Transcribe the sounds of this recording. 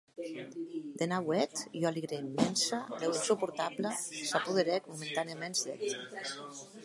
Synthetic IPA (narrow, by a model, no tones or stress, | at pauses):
d̪enawɛt̪jɔaliɣɾemːɛnsad̪ɛwinsupuɾt̪aplasapuðeɾɛkmument̪aniamenzd̪ɛ̰t̪